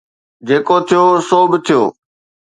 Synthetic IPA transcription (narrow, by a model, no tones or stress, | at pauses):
d͡ʑeːkot̪ʰijoːsoːbɪt̪ʰijo̰ː